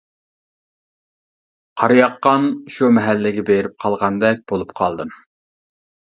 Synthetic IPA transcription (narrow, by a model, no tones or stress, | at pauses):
qʰɑɾjɑqːɑnʃumɛɦɛlːɪɡʲɛbeɾɪp̚qʰɑlˠʁɑnd̪ɛk̚ʲb̥olˠup̚qʰɑlˠd̪ɨm